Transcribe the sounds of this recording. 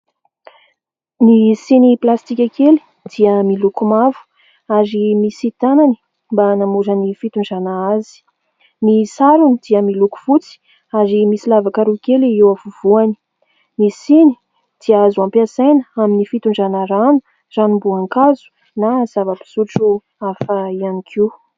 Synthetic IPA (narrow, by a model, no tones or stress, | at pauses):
nisiniplast̪ikʲakeli̥ | d̪̥iəmilukumavu̥ | aɾimisit̪anani̥ | mbanamuzənifit̪uɳɖ͡ʐanaazi̥ | nisaɾunid̪̥iəmiluku̥fut͡si̥ | aɾimisilavakaɾukeliewavuv̥uani̥ | nisini̥ | d̪̥iaazuampiasajnəaminifit̪uɳɖ͡ʐanəɾanu̥ | ranumbuaŋkazu̥ | naz̥avəpi̥zuʈ͡ʂu | afaianikʰi